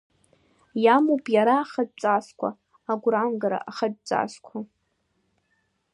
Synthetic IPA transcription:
jamopʼjaɾaːχəd̚t͡sʼaskʷʰa̰ | aɡʷranɡaɾa̰ʔaχad̚t͡sʼa̰skʷʰa

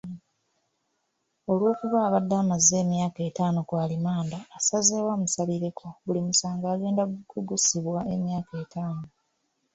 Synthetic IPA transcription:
o̞lwo̞ːkuβaːβadːaːmazːe̞ːmjaːke̞ːtaːno̞kwaːlimaːndaːsazewamusaβiɾe̞kʰoβulimusaːŋɡaːɡe̞ːndauɡusiβwae̞mjaːkeːtʰaːno

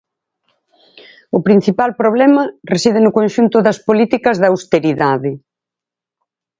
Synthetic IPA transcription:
ʊpɾin̟θipalpɾoβ̞lɛmɐresið̞ɪnʊkonʃunt̪ʊðɐspolit̪ikɐzðɐːwst̪eɾiðaðɪ

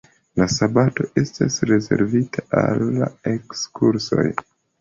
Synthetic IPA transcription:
lasabato̞ʔe̞stasɾe̞ze̞ɾvitʰaʔalːae̞kskʰuɾso̞̰j

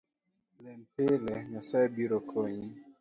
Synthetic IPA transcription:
lɛmpelɛɲɔsɛbiɾokʰoɲi

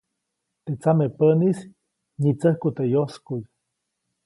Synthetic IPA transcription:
t̪et͡samepənis | ɲit͡səhkut̪ejoskuj

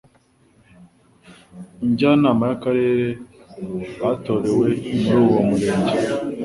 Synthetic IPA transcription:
iɲɟanaːmajakaɾe̞ːɾe | hato̞ɾe̞we̞nuɾuwomuɾe̞ːɲɟe

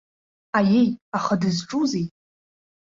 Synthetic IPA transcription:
ajejaχadɨzʈ͡ʂʼuzejtʼ

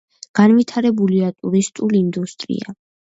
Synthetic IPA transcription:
ɡ̥anvit̪ʰaɾɛbuliat̪ʼuɾist̪ʼulind̪ust̪ʼɾḭa̰

